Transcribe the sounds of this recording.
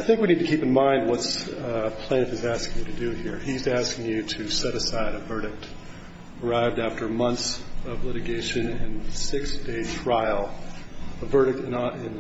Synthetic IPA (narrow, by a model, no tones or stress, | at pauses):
aɪθɪ̃ŋkwinid̚tɨkʰipn̩mãɪ̃nd̚wʌtspʰl̥ẽɪñɨfɨzæskɪ̃ŋjɨɾɨdɨhiɹizæskɪ̃ŋjɨɾɨsɛɾɨsaɪɾɨvɜ˞ɾɨk̚t | ə˞aɪvdæftə˞mʌ̃nθsʌvlɪɾɨɡeɪʃɨ̃nɨ̃nsɪksd̥eɪtʰɹ̥aɪl̩ˠ | əvɜ˞ɾɨk̚tɨ̃nɪ̃n